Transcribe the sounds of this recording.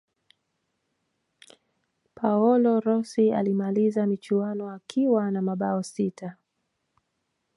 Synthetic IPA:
pʰaɔlɔɾɔsia̰limalizamit͡ʃuanɔakʰiwanamaɓaɔsitʰa

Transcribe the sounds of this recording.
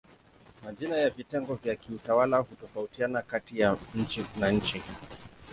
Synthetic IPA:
maʄinajavitɛŋɡɔvjakiutawalahutɔfautianakatijaɲ̩t͡ʃinaɲ̩t͡ʃi

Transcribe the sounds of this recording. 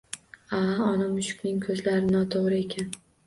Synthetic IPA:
aɒnamʊʃʊ̥kʲnɪŋkʰɵzlaɾɪnɒt̪ʰoʁɾɪe̞kʲʰan

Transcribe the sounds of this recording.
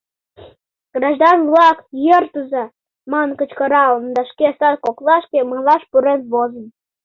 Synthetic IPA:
ɡ̥ɾɑʒd̪ɑnvlɑkjərt̪uzɑ | mɑnkə̆t͡ɕkə̆ɾɑlənd̪ɑʃkesɑɾkoklˠɑʃkeməlˠɑʃpuɾenβozə̆n

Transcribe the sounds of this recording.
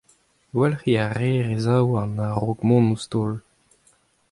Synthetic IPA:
wɛlχiaʁeːʁezawanaʁoɡmɔ̃nust̪oːl

